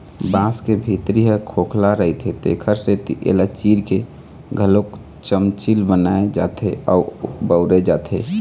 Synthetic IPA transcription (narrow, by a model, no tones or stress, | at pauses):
bãskebʱit̪ɾiɦɛkʰoːkʰlaɾəɦit̪ʰet̪ḛːkʰəɾset̪iʔḛlat͡ʃiɾke | ɡʱəlok | t͡ʃəmt͡ʃilbənaed͡ʒaːt̪ʰeɔːbəʊɾed͡ʒaːt̪ʰe